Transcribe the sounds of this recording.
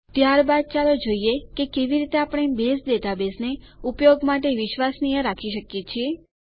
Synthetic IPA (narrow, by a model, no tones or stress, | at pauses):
t̪jaɾbad̪̚t͡ʃaled͡ʒoijekekeʋiɾit̪eapəɽ̃ebesd̪et̪abesneupjoɡmaʈ̬eʋɪʃʋasnijəɾakʰiʃəkjet͡ʃʰie